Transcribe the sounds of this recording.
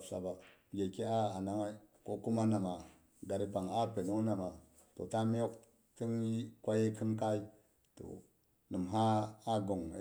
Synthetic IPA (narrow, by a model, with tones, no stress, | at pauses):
sa̰˨ba˨ɡe˨ki˦a˦a˨na˦ŋa˦ko˦ku˦ma˦na˨ma˨ | ɡa˨ɾi˦pa˨ŋa˦pe˨nu˦na˨ma˨ | to̰˨ta˦mi˦jo˦k | ti˦n˦kʷa˦je˦ki˦nka˦i˦ | to̰˨ | nə˨mɦa˦a˦ɡo˨ŋ̰˨